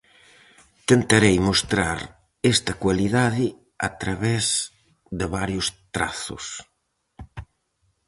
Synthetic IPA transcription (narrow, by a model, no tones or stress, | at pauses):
t̪ent̪aɾejmost̪ɾaɾ | est̪ɐkwaliðaðɪ | at̪ɾaβɛz | d̪ɪβaɾjʊst̪ɾaθʊ̰s